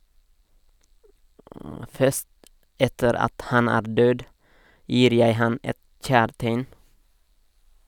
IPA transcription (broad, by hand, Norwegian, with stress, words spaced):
ˈfœʃt ˈɛtəɾ ˈɑt ˈhɑn ˈæːɾ ˈdøːd ˈjiːɾ ˈjæɪ ˈhɑn ˈɛt ˈc͡çæːɾteɪn